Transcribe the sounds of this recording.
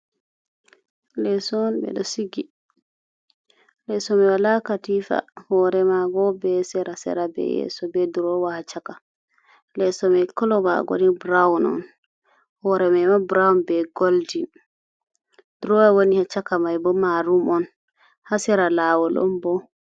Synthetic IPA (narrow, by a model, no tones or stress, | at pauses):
lɛsɔnbɛ̰ɗɔsiɡi | lɛsɔmɛwalakatifa̰hɔɾɛmaɡɔbɛsɛɾasɛ̰ɾabɛ̰jɛ̰sɔbɛduɾɔwahat͡ʃaka | lɛsɔmɛkɔlɔwa̰ɡo̰dibɾawnɔ̰n | hɔɾɛmɛmabɾawnbɛɡoldin | duɾɔwɛwonihat͡ʃakamajbɔmaɾumɔn | hasɛɾalaːwɔlɔ̰mbɔ